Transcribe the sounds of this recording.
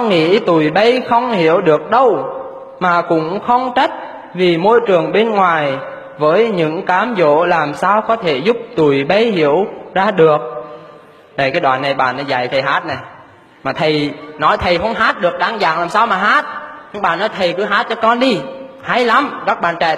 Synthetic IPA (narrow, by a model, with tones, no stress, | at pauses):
ŋḭ˧˥t̪u˨˩jɓə˧jxə˧wŋ͡mhi˧˩˥əwɗɨ˨˩ək̚ɗə˧w | maː˨˩kʊ̰˧˥ŋ͡mxə˧wŋ͡mt͡ɕə˦˥t̚ | vi˨˩mo˧jt͡ɕɨ˨˩əŋɓe˧nŋwaː˨˩j | vəː˨˦jɲɨ̰˧˥ŋkaː˨˦mzo̰˧˨˥laː˨˩msaː˧wkɔ˨˦t̪ʰe˧˩zʊ˦˥p̚t̪u˨˩jɓə˧jhḭ˧˥əwzaː˧ɗɨ˨˩ək̚ | na˨˩jkaː˨˦jɗwaː˨˩nːa˨˩jɓaː˨˩nɔ˨˦za̰˧˨jt̪ʰə˨˩jɦaː˦˥t̚na˨˩j | maː˨˩t̪ʰə˨˩jnɔ˨˦jt̪ʰə˨˩jxə˧wŋ͡mɦaː˦˥t̚ɗɨ˨˩ək̚ɗaː˧˩ŋza̰ː˧˨ŋlaː˨˩msaː˧wmaː˨˩ɦaː˦˥t̚ɲɨ˧ŋɓaː˨˩nɔ˨˦jt̪ʰə˨˩jkɨ˨˧˦ɦaː˦˥t̚t͡ɕɔ˧kɔ˧nɗi˧ha˧˦jla˨˦mkaː˦˥k̚ɓa̰ː˧˨nt͡ɕɛ̰˧˨